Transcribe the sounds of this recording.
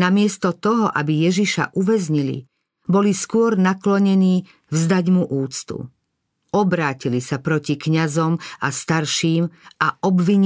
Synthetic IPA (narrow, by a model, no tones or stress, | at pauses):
namɪɛst̪ɔt̪ɔɦɔʔabijɛʒiʃa̰ʔuʋɛzɲilḭ | bɔliskʊɔɾnaklɔɲɛniː | vzd̪aɟmuʔuːt͡st̪ṵ | ɔbɾaːcilisapɾɔcikɲazɔmast̪aɾʃiːmaʔɔbʋiɲ